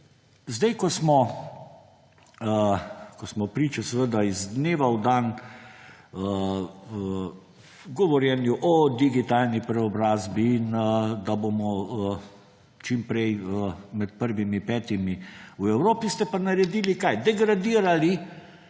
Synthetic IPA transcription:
zd̪ɛjkɔsmɔ | kɔsmɔpɾiːt͡ʃɛsɛʋəd̪aizd̪neːʋawd̪aːn | ə | ɡɔʋɔɾjɛnjuʔɔd̪iɡit̪aːlnipɾɛɔbɾaːzbiːnd̪abomɔ | t͡ʃimpɾɛjəmɛt̪̚pəɾʋimipɛːt̪imiwɛwɾoːpist̪ɛpanaɾɛd̪iːlikajd̪ɛɡɾad̪iːɾali

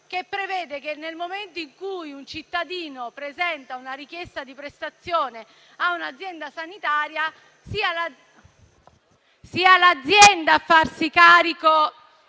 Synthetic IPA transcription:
k̟epːɾevɛːd̪ekenːelmoment̪oiŋkujunt͡ʃit̪ːad̪iːnopɾezɛnt̪aunaɾikjɛst̪ad̪ipɾest̪at̪sːjɔːne | aunad̪zːjɛnd̪asanit̪aːɾja | siːal | siːalad̪zːjɛnd̪afːarsikaːɾiko

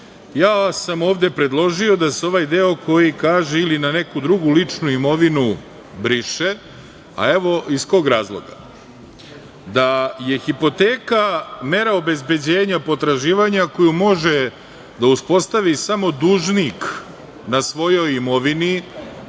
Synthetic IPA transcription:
jaːsamo̞ːʋd̪e̞pɾe̞d̪lˠo̞ʒio̞d̪aseo̞ʋaːjd̪e̞o̞kʰo̞jikaːʒeilinanekud̪ɾuɡulit͡ʂnuimo̞ʋinu | bɾiʃe | a̰e̞ʋo̞isko̞ɡɾaːzlˠo̰ɡa̰ | d̪aje̞xipo̞t̪eːkame̞ɾaobe̞zbe̞d͡ʑeːɲapo̞t̪ɾaʒiːʋaɲako̞jumo̞ʒe | d̪auspo̞st̪aʋisamo̞d̪uːʒnik | nasʋo̞jo̞jimo̞ʋini

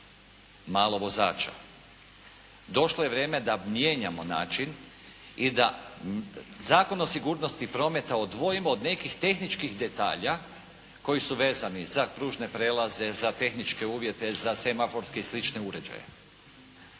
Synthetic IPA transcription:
maːlˠo̞ʋo̞za̰ːt͡ʃa̰ | d̪o̞ʃlˠoje̞ʋɾjeːme̞d̪amje̞ːɲamo̞na̰ːt͡ʃin | id̪a | zaːko̞nosiɡuːɾno̞st̪ipɾo̞me̞t̪aod̪ʋo̞jimoːd̪ne̞kixt̪e̞xnit͡ʃkixd̪e̞t̪a̰ːʎa | ko̞jisuʋe̞ːzanizapɾuːʒne̞pɾe̞ːlˠaze̞zat̪e̞xnit͡ʃke̞uːʋje̞t̪e̞zasemafo̞ɾske̞islit͡ʃne̞uɾe̞d͡ʒa̰jḛ

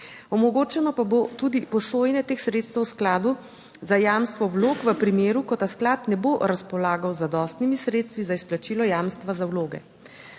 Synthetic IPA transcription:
ɔmɔɡoːt͡ʃɛnɔpabot̪ud̪ipɔsoːjnɛt̪eːxsɾeːt̪st̪əwsklaːd̪u | zajaːmst̪ʋɔwloːkʋəpɾimeːɾukɔt̪asklaːt̪nɛboɾaspɔlaːɡawzad̪ɔːst̪nimisɾeːt̪st̪ʋizaisplat͡ʃiːlɔjaːmst̪ʋazawloːɡɛ̰

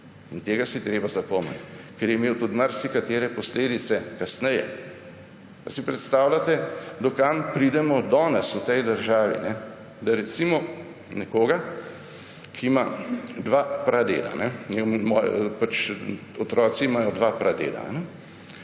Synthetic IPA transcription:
int̪eːɡasit̪ɾeːbazapɔmɛ̰t̪ʲkɛɾjɛmeːwt̪ut̪maɾsikat̪eːɾɛpɔsleːd̪it̪sɛkasnɛjɛ̰ | pasipɾɛt̪st̪aːwlʲat̪ɛd̪ɔkampɾid̪ɛmɔd̪ɔːnɛsut̪ɛjd̪əɾʒaːʋḭnɛ | d̪aɾɛt̪simɔ | nɛkoːɡa | kʰimad̪ʋapɾʔad̪ḛːla̰nɛnɛmɔjpat͡ʃɔt̪ɾɔːt̪simajɔd̪ʋapɾad̪ḛːla̰nɛ

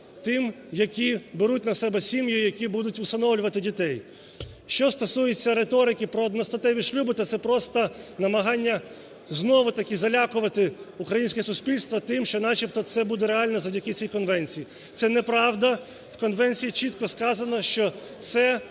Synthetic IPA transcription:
t̪ɪm | jɐkʲibeɾut̚ʲnɐsɛbɛsʲimjʊjɐkʲibud̪ʊtʲʊst̪ɐnɔwlʲʊʋɐt̪ɪdʲit̪ɛj | ʃt͡ʃɔst̪ɔsujet͡sʲːɐɾet̪ɔɾɪkʲɪpɾɔːd̪nɔst̪ɐt̪ɛʋʲiʃlʲubɪt̪ɐt̪sɛpɾɔst̪ɐnɐmɐɦɑnʲːɐ | znɔʋʊt̪ɐkʲizɐlʲakʊʋɐt̪ɪukɾɐjinʲsʲkʲɛsʊsʲpʲilʲst̪ʋɐt̪ɪmʃt͡ʃɔnɑt͡ʃip̚t̪ɔt̪sɛbud̪ɛɾeɑlʲnɛzɐwdʲɐkɪt͡sʲijkɔnʋɛnʲt͡sʲiji | t̪sɛnɛpɾɑwd̪ɐ | wkɔnʋɛnʲt͡sʲijit͡ʃit̪kɔskɑzɐnɐʃt͡ʃɔ | t̪sɛ

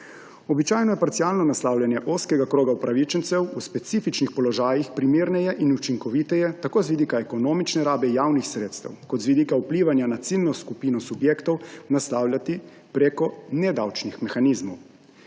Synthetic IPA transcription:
ɔbit͡ʃaːjnɔjɛpaɾt̪sialnɔnaslawlʲjanjɛʔoskɛɡakɾoːɡaupɾaʋit͡ʃənt̪sɛwuspɛt̪siːfit͡ʃnixpɔlɔʒaːjixpɾimeːɾnɛjɛʔinut͡ʃiŋkɔʋit̪ɛjɛt̪akoːzʋid̪ikaɛkɔnoːmit͡ʃnɛɾaːbɛjaːwnixsɾeːt̪st̪ɛ̰wkɔt̪zʋid̪ikaupliːʋanjanat̪silnɔskupiːnɔsubjeːkt̪ɔwnaslaːwlʲjat̪i | pɾekɔnɛd̪awt͡ʃnixmɛxanizmɔw

